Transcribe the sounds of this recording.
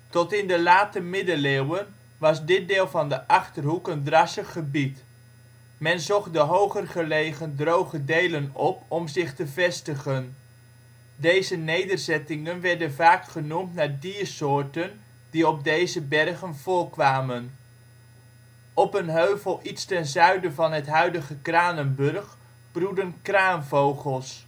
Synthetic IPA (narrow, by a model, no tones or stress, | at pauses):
tɔtɪndəlaːtəmɪdəleːwən | ʋɑzdɪt̚dɪːlˠvɑndəʔɑχtərɦukəndrɑsəχːəbit | mɛnzɔχ̚dəɦowχərχəlejχəndrowχədejlənɔpɔmzɪχtəvɛstəχən | dejzənejdəɹzɛtɪŋənʋɛɹdənvaːkχənumtnaːɹdiːɹsʊːɹtən | diɔb̚dejzəbɛrχənv̥ʊːlkʋaːmən | ɔpənɦøɥvəlˠʔitstɛnzœɥdəvɑnɦətɦœɥdəχəkraːnənbɵrχ | b̥rudənkraːnvowχəlˠs